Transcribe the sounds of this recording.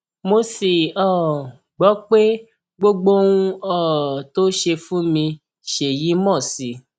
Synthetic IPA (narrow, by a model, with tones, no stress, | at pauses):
mo˧si˨ɔ˦˨ | ɡ͡bɔ˨˦k͡pe˦ | ɡ͡bo˦ɡ͡bo˦wũ˧ɔ˦˨to˦ʃe˧fũ˦mĩ˧ | ʃe˨ji˨˦mɔ̃˦˨si˨˦